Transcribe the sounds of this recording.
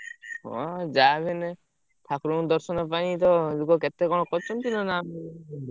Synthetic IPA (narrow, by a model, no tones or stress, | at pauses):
ɦɔ̰d͡ʒabʱene | t̪ʰakɾud̪ɔɾsɔnɔp̬anit̪̬ɔlukɔket̪ekɔ̃ɔkɔt͡ʃʰɔnkinɔnam